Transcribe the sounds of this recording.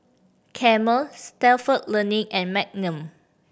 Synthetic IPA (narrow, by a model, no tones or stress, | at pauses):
kʰɛməlstɛlfəʔ̚lənĩŋɛ̃nmɛk̚nə̃m